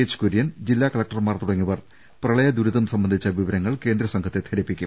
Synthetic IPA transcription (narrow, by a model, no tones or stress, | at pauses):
et͡ɕːu̥koɾijɐnd͡ʑilːaːkɐɭɐk̚ʈɐrmaːrt̪uɽɐŋːiʋɐr | prɐɭɐjɐd̪uɾuðɐmsɐmbɐnd̪ʱit͡ɕːɐʋiʋɐɾɐŋːɐɭke̞ːnd̪ɾɐsɐŋkʰɐt̪ːet̪ʰɐɾipːikʲːum